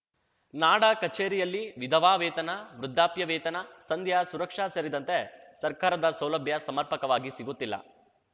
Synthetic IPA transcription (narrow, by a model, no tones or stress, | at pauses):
naːɽɐkɐt͡ʃeːɾijɐlːiʋid̪ʱɐʋaːʋɛːt̪ɐnɐʋɾud̪ʱːaːpjɐʋɛːt̪ɐnɐsɐnd̪ʱjasuɾɐkʂaːsɐɾid̪ɐnt̪e̞ | sɐɾkaːɾɐd̪ɐsɐwlɐbʱjɐsɐmɐɾpɐkɐʋaːɡisiɡut̪ːilːɐ̰